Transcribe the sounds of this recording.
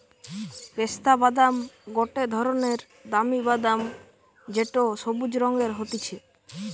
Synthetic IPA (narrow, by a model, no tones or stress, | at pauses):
kest̪abad̪amɡoʈed̪ʱɔɾoneɾ | d̪amibad̪am | d͡ʒeʈosobud͡ʒɾɔŋɡeɾɦot̪it͡ʃʰe